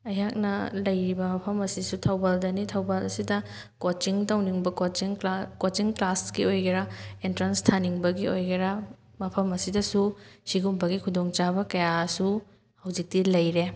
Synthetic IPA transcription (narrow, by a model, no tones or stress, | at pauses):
ɐjak̚nɐlɐjɾibɐmɐpʰɐmɐsisutʰɐwbaldɐnitʰɐwbalɐsidɐ | kot͡ʃiŋtɐwniŋbɐot͡ʃiŋkot͡ʃiŋklaskiojɡɐɾɐentɾanstʰaniŋbɐɡiojɡɐɾɐ | mɐpʰɐmɐsidɐsusiɡumbɐɡikʰudoŋt͡ʃabɐkɐjasu | hɐwzik̚tilɐjɾe